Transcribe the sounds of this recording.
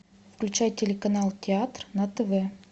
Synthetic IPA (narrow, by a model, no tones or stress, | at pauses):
fklʲʉt͡ɕæjtʲɪlʲɪkɐnalˠtʲɪat̪rnɐt̪əvɛ